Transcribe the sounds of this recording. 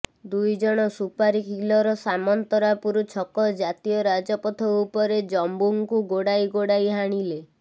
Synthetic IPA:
d̪ujd͡ʒɔɽ̃ɔsupaɾikʰilɔɾɔsamɔnt̪ɔɾapuɾut͡ʃʰɔkɔd͡ʒat̪ijɔɾad͡ʒɔpɔt̪ʰɔupɔɾed͡ʒɔmbuŋkuɡoɽajɡoɽajɦaɽ̃ile

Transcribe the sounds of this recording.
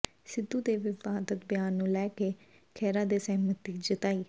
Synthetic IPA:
sɪd̪ːuːd̪eːʋɪfaːd̪ət̪bɪjaːnːũːlɛːkeː | kʰɛːɾãːd̪eːsɛɦmət̪iːd͡ʒɪt̪aːiː

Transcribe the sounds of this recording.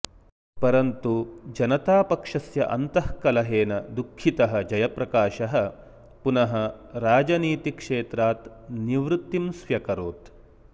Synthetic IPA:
pɐɾɐnt̪ud͡ʒɐnɐt̪aːpɐkʂɐsjɐ̰ʔɐ̰nt̪ɐhkɐlɐɦeːnɐd̪ukʰːit̪ɐɦɐ̆d͡ʒɐjɐpɾɐkaːʃɐɦɐ̆ | punɐɦɐɾaːd͡ʒɐniːt̪ikʂeːt̪ɾaːt̪ | niʋɾut̪ːimsʋjɐkɐɾoːt̪

